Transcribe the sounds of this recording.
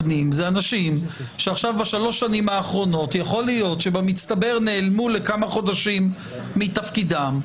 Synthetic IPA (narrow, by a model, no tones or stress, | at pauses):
nimzeanaʃim | ʃeaχʃavbaʃalo̞ʃanimaːχʁo̞no̞t̪jaχo̞lijo̞tʃe̞bamit͡st̪abe̞ʁne̞ːlmule̞kamaχo̞daʃimː | itafkidam